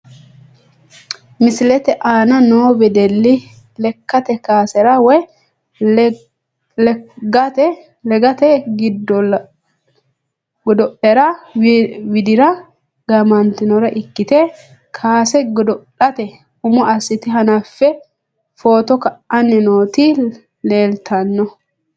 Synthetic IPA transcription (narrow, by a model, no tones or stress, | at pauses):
mɪsɪlɛt̪ɛʔaːnɐnoːbɛd̪ɛlːɪ | lɛkːɐt̪ɛkaːsɛɾɐwɔj | ɡɐtɛ | lɛɡɐt̪ɛɡɪd̪ɔ | ɡɔd̪ɔʔɛɾɐ | wɪd̪ɪɾɐ | ɡɐmɐnt̪ɪnɔɾɐʔɪkːɪt̪ɛ | kʰaːsɛɡɔd̪ɔʔɐt̪ɛ | hʊmɔʔɐsːɪt̪ɪɦɐnɐfːɛ | fo̞ːt̪ɔkɐʔʔɐnːɛnoːt̪i | le̞ːlt̪ʰɐnːɔ